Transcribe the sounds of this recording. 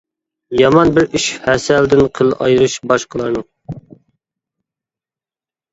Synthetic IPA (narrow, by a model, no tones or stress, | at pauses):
jɑmɑnbɪɾyʃhɛsɛld̪ɪnqʰəlˠʔɑ̰jɾɨʃbɑʃqəlˠɑɾnɨŋ